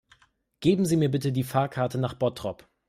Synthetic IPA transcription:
ɡ̥eːbm̩ziːmiːɐbɪtədiːfaːɐkʰaɐtənaːχb̥ɔtʁ̥ɔp

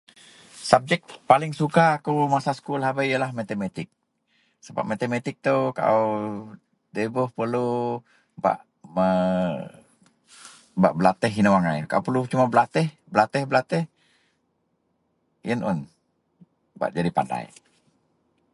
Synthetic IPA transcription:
sab̚d͡ʒɛk̚palɪŋsukaːkumasasə̥kulɦabaijəlahmat̪emat̪ɪk̚ | səba̰p̚mat̪emat̪ɪk̚t̪oka̰ | debɔhpərlu | ba̰ʔ | mə | ba̰ʔbəlat̪ɛɦinəwaŋajkaupərlut͡ʃumabəlat̪ɛh | bəlat̪ɛhbəlat̪ɛh | jənʔɔ̰n | ba̰ʔd͡ʒadipa̰nda̰j

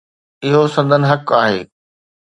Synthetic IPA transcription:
ɪɦosɐ̃nd̪ʱənɪ̆ɦɐkaːɦḛː

